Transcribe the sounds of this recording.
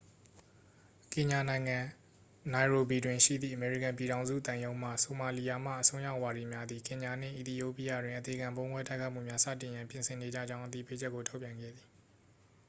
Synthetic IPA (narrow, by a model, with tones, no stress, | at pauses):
kɪ̃˨ɲa˨nã˨ɪ̃ŋã˨ | na˨ɪɹo˨bi˨dwɪ̃˨ʃḭ˦˨d̪ðḭ˦˨ʔəmɛ˨ɹḭ˦˨kã˨mpi˨ɾã˨ʊ̃nzṵ˦˨t̪ã˨jõ˦ʊ̃m̥ä̰˦˨so˨ma˨li˨ja˨m̥a̰˦˨ʔəsʰõ˦ʊ̃ja˦ʊʔwa˨di˨mja˦d̪i˨kɪ̃˨ɲa˨n̥ɪ̰̃˦˨ʔi˨t̪i˨jo˦˨pi˦ja̰˦˨dwɪ̃˨ʔə˨t̪e˨ɡã˨mbõ˦ʊ̃ŋɡwɛ˦da˦ɪkʰa˦mṵ˦˨mja˦sä̰˦˨tɪ̃˨jã˨mpjɪ̃˨nsʰɪ̃˨ne˨d͡ʑä̰˦˨d͡ʑã˦ʊ̃ʔət̪ḭ˦˨pe˦d͡ʑɛ˦kːo˨tʰo˦ʊpjã˨ŋɡɛ̰˦˨d̪ði˨